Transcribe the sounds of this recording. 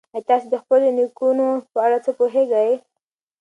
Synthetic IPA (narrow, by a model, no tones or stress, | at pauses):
ajt̪ɑsed̪əxpəlonikunopəaɽat͡səpoɦeɡaj